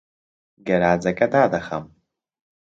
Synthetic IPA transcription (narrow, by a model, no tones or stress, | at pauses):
ɡɐɾaːd͡zɐkʼɐt̪aːd̪ɐxɐ̰m